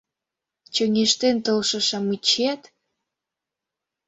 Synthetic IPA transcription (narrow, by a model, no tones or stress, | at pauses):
t͡ɕøŋeʃt̪ent̪olʃɤ̆ʃɑmut͡ɕet̪